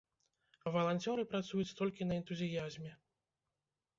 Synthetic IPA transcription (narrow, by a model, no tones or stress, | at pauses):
vɐlˠanʲt͡sʲɔɾɨpɾat̪sujut͡sʲt̪ɔlʲkʲinɐɛnt̪uzʲijazʲmʲɛ